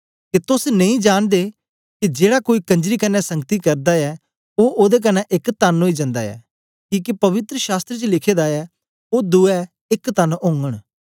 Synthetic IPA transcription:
ket̪ʊsnɐ̃ĩːd͡ʒaːɽ̃d̪eː | kid͡ʒeːɽakoːiːkə̃ɲd͡ʒɾiːkɐnːɛsə̃ŋɡt̪ikɐɾd̪aɛː | oːʔoːd̪eːk̬ɐnɛʔɪkt̪ənɦoːid͡ʒɐ̃nd̪a̰ːɛ̰ː | kĩːkipɐʋɪt̪ɾəʃaːst̪ɾet͡ʃəlɪkʰeːd̪aɛː | oːd̪uɛ | ɪkt̪ənʊ̃ːŋɡəɽ̃

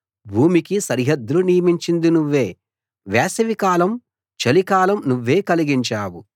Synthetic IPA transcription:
bʱuːmikisɐɾɦɐd̪ːulunijɐmiɲt͡ʃind̪inuʋːe̞ː | ʋɛːsɐʋikaːlɐm | t͡ʃɐlikaːlɐmnuʋːe̞ːkɐliɡiɲt͡ʃaːwu

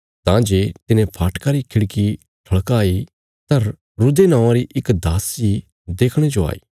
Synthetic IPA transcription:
t̪ãd͡ʒeːt̪ɪnẽpʰaːʈkaɾikʰɪɽki | ʈʰɐɭkaːi | t̪ɐɾ | ɾʊd̪enãːãɾiʔɪkd̪aːsd͡ʒi | d̪eːkʰɽ̃ẽd͡ʒoa̰ːḭː

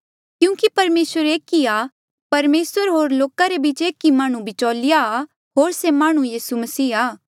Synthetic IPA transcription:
kjũːkipɐɾmeːsʋəɾeːkia | pɐɾmeːsəɾɦoːɾloːkaɾebit͡ʃeːkimãːɽ̃ũbʱit͡ʃoːlɪja | ɦoːɾsemaːɽ̃ũjiːsumɐsiːaː

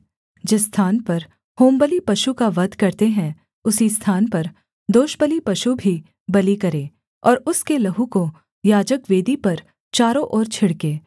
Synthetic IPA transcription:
d͡ʒɪsːt̪ʰaːnpɐɾ | hoːmbəlipɐʃukaʋɐd̪ʱkɐɾt̪eɦɛ̃ | ʊsist̪ʰaːnpɐɾ | d̪oːʃbəlipɐʃubʱi | bɐlikɐɾẽː | ɔːɾʊskelɐɦũko | jaːd͡ʒəkʋeːd̪ipɐɾ | t͡ʃaːɾõʔɔːɾt͡ʃʰɪɽkeː

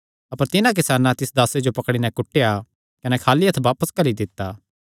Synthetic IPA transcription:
ɐpəɾt̪ɪnãk̬ɪsaːnãt̪ɪsd̪aːsed͡ʒopɐkɽ̃inɛ̃kʊʈːeja | kɐnɛkʰaːliɐt̪ʰʋaːpəskɐlid̪ɪt̪ːaː

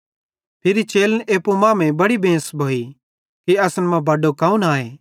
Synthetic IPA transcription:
pʰɪɾit͡ʃeːlənʔeːpumãːmẽbɐɽibẽːsbʱoːi | kiɐsnmɐ̃bɐɖokaːũnaːẽː

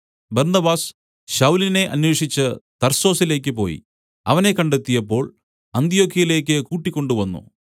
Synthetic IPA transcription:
bɐrnɐbaːs | ɕɐwline̞ʔɐnwe̞ːʂit͡ɕːɨt̪ɐrso̞ːsile̞ːk̬ʲːɨpo̞̰ːjḭ | ɐʋɐne̞kɐɳɖet̪ːijɐpːo̞ːɭ | ɐnt̪ijo̞ːkʰːijɐile̞ːkʲːɨkuːʈːikʲːo̞ɳɖuʋɐnːṵ

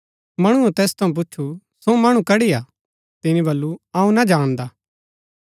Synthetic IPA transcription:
mɐɽ̃uẽt̪ɛːst̪ʰɐ̃ũp̬ʊːt͡ʃʰu | somɐɽ̃ũkɐɽiaː | t̪ɪnibɐlːuɐũnɐd͡ʒaːɽ̃d̪aː

